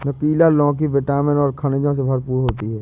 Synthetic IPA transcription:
nɐkiːlalɔ̃ːk̬iʋeʈaːmənɔːɾkʰɐned͡ʒõs̬ebʱɐɾpuːɾɦoːt̪iɦɛː

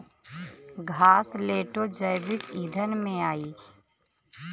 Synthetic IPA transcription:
ɡʱaːsleːʈod͡ʒəɪbɪkiːd̪ʱənmẽaːiː

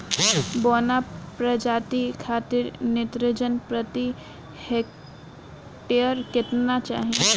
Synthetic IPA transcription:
boːnapɾəd͡ʒaːt̪ikʰaːt̪ɪɾnet̪ɾɪd͡ʒənpɾət̪i | hek̚ | ʈeəɾkɪt̪nat͡ʃa̰ːɦie

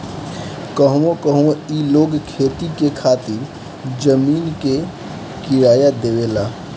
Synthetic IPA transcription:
kəɦũõkəɦũoiloɡkʰet̪ikekʰat̪iɾ | d͡ʒəmiːnke | kiɾaːjad̪ewela

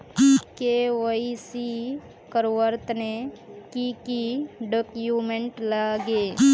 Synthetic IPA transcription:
kewəisi | kəɾwəɾt̪nekikiɖoːkjumẽɳʈlaːɡeː

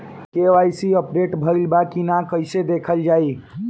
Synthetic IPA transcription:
keʋajsiəpɾeʈbʱəɾilbakinakəjsed̪ekʰəld͡ʒai

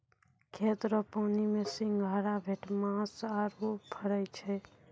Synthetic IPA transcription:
kʰet̪ɾəpaʊnimesĩŋɡʱəɾabʱeʈmãsaɾupʰəɾəjt͡ʃʰɛ

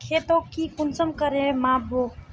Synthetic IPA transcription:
kʰeːt̪okːikʊnsəmkəɾẽmabo

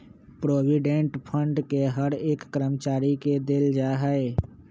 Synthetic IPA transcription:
pɾoːʋiɖẽɳʈpʰə̃ɳɖkeɦəɾeːkːəɾəmt͡ʃaːɾiked̪ɪld͡ʒaːɦəe

